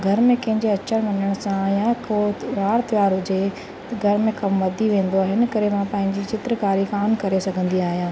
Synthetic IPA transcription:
ɡʱɐɾmẽkɐ̃ɦɪ̃ɲd͡ʑeɐt͡ɕəɾʋɐɲəɽ̃sãjakoːʋaːɾt̪ɪʋaːɾɦʊd͡ʑe | t̪ɐɡʱɐɾmẽkɐmʋɐd̪ʱiʋẽːn̆d̪oaːɦɪnɪ̆kɐɾemãpɐ̃ɦɪ̃ɲd͡ʑit͡ɕɪt̪ɾəkaːɾikaːmkɐɾesɐɡʱə̃nd̪iaːɦijãː

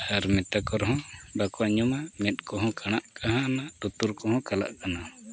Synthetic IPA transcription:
aɾmɛt̪akɔɾɦɔ̃bakɔʔaɲumamɛt̪̚ˀkɔɦɔ̃kaɽ̃aʔkʰaɦãnat̪ut̪uɾkɔɦɔ̃kala̰ʔkana

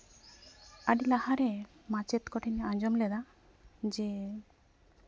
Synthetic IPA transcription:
aɖilahaɾɛ | mat͡ʃɛt̪kɔʈʰinɛaɲd͡ʒɔmlɛd̪a | d͡ʒɛ

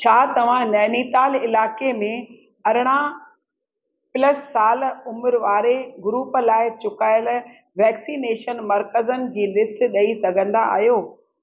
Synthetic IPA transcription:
t͡ɕʰaːt̪ɐʋ̤ãnɐːniːt̪aːlɪlaːkemẽ | ɐɾɪɽ̃a | pɪləsːaːlʊmɪɾʋaːɾeɡʊɾuːplaːɪt͡ɕʊkaːjəl | ʋɛːksiːneːʃənmɐɾkəzənɪ̆d͡ʑiːlɪsʈɗɐisɐɡʱə̃nd̪aa̰ːɦijoː

